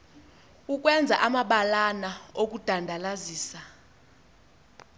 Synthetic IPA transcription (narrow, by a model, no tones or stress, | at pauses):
uk̬ʼwɛnd͡zʱaʔamaɓalanaok̬ud̥ʱandʱalaziːsa